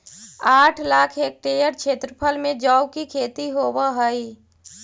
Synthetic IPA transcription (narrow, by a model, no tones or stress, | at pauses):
aʈʰlaːkʰek̚ʈejəɾt͡ʃʰet̪ɾəpʰəlmed͡ʒəwkikʰet̪iɦobəɦəj